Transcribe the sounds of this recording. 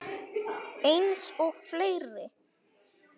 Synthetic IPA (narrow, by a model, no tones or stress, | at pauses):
ejnsɔɣfleːjɾɪ